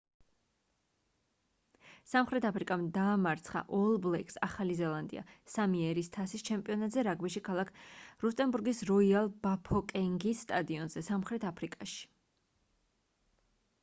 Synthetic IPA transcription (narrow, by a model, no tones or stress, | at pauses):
samχɾɛt̪ʰapʰɾikʼamd̪aːmaɾt̪sʰχa̰ʔɔlˠblɛkʼsaχalizɛlˠand̪ḭa̰samiɛɾist̪ʰasist͡ʃʰɛmpʼiɔnat̪ʼzɛɾaɡbiʃikʰalˠakʰɾust̪ʼɛnbuɾɡisɾɔialˠbapʰɔkʼɛŋɡisːt̪ʼad̪iɔnzɛsamχɾɛt̪ʰapʰɾikʼaʃi̥